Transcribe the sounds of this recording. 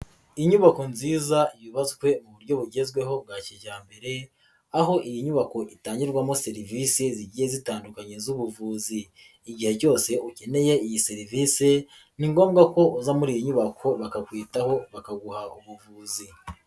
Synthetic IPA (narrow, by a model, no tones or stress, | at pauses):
iɲuβako̞nziːzaijiβazukwe̞muβuɾɟo̞βuɟe̞zɡwe̞ɦo̞ŋɡaciʒaːmbe̞ɾe̞ | aho̞ʔijiɲuβako̞ʔitaːɲiɾɡwamose̞ɾiviseziɟijezitaːndukaɲe̞zuβuvuːziː | ɟiheɟo̞ːse̞ʔuce̞ne̞je̞ijise̞ɾiviːse̞ | niŋɡo̞ːmɡako̞uzamuɾijiɲuβakʰo̞βakakwiːtaho̞βakaɡuhaʔuβuvuːzi